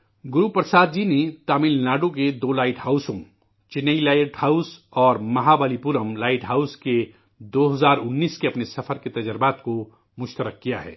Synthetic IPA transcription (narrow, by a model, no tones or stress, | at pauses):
ɡʊɾupɾəsaːd̪̚d͡ʒinet̪aːmɪlnaːɖoked̪oːlaːɪʈhaːʊsõ | t͡ʃɪnːəilaːɪʈhaːʊsɔːɾmɐɦabaːlipuɾəmlaːɪʈɦaːʊske | d̪oːɦɐzaːɾʊnːiːskeɐpnesɐfʰəɾket̪ɐd͡ʒəɾbaːt̪ko | mʊʃt̪əɾəkːija̰ɦɛ̰ː